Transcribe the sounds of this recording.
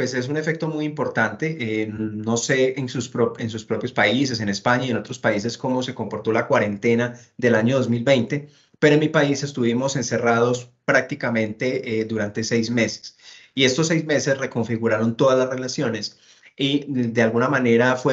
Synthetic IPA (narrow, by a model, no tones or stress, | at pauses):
pwese̞s̬une̞fe̞k̚t̪o̞mujimpo̞ɾt̪ant̪e̞ʔno̞se̞ensuspɾoens̬uspɾo̞pjo̞spais̬e̞s̬e̞nespaɲaie̞not̪ɾo̞spais̬e̞sko̞mo̞se̞ko̞mpo̞ɾt̪o̞lakwaɾe̞nt̪e̞na | ðe̞laɲo̞ðo̞zmilbe̞jnt̪e̞ | pe̞ɾoenmipaise̞st̪uβimo̞se̞nse̞raðo̞spɾak̚t̪ikamẽ̞nt̪e̞d̪uɾant̪e̞se̞jzme̞se̥sie̞st̪o̞sːejzme̞se̞sre̞ko̞ɱfiɣuɾaɾo̞nt̪o̞ðazlasre̞lasjo̞ne̞s | id̪e̞alɡunamane̞ɾafwe